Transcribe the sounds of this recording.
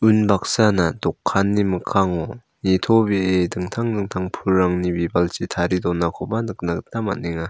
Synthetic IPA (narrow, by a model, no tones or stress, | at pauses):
unbak̚sanadokʰːanːimɯkʰaŋɔ | nitʰobiedɯŋtʰaŋdɯŋtʰaŋpʰuɭːaŋnibibalt͡ɕitʰaɾidɔnakʰɔbanɯk̚naktʰama̰nːiŋa